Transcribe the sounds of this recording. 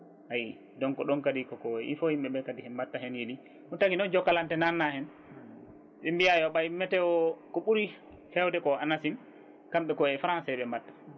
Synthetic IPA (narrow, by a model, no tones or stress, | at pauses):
haji | dɔnkɔɗɔnkadikɔkɔɛḭfɔhimɓɛɓɛkadihɛnmatːaɦɛnjeli | untakinɔnd͡ʒɔkːalantɛnanːahɛn | ɓimbiajɔɓamːɛtɛɔkɔɓuɾi | hɛwdɛkɔanasim | kamɓɛkɔɛfɾansɛɓɛmatːḁ